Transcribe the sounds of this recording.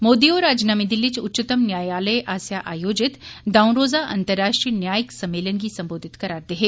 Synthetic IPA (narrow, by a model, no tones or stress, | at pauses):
moːd̪ioːɾaːd͡ʒnaːmid̪ɪlːit͡ʃʊtːt͡ʃət̪əmnjaːjaːləjʔaːsjaʔaːjoːd͡ʒɪt̪d̪aːʊ̃nɾoːzaʔɐ̰̃nt̪əɾːaːʃʈɾiːnjaːjəksɐmːeːlənkisɐ̃mboːd̪ʱɪt̪kɐɾaːɾd̪eɦeː